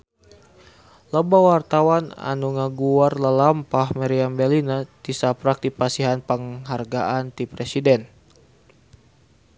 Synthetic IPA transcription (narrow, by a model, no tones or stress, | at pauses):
ləbawart̪awana̰nuŋaɡuarlalampahmaɾiambɛlinadisapɾak̚dipasiɦanpəŋɦarɡaʔant̪ipɾɛsidɛn